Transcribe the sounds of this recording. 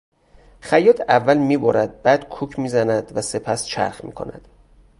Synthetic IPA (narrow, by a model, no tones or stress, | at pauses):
xæjːɒːt̪ʰævːælmiːboɾæd̪̚bæːd̪̥kʰuːcʰmiːzænæd̪væse̞pʰæst͡ʃʰæ̰ɾxmḭːkʰo̞̰næ̰d̪̥